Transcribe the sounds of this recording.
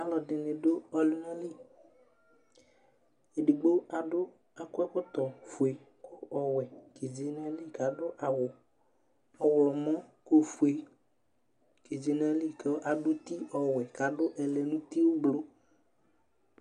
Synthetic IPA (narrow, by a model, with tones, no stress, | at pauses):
a˨lɔ˨dɪ˨nɪ̃˨dʊ˦ɔ˨lu˦nɛ˦li˦˨ | e˨dɪ˨ɡ͡bo˦a˨dʊ˦ | a˨kʊ˦ɛ˦kʊ˦t̪ɔ˨fu˨e˨ | kʰʊ˦ɔ˨wɛ˨ke˨d͡ʒe˨nɛ˦li˦˨ka˨dʊ˦ʔa˨wʊ˨ | ɔ˨wlɔ˨mɔ̃˦ko˦fu˨e˨ | ke˨d͡ʒe˨nɛ˦li˦kɔ˦ʔa˨ɖʊ˦t̪i˦ɔ˨wɛ˨ka˨dʊ˦ʔɛ˨lɛ˨nũ˦t̪i˦wʊ˦blo˦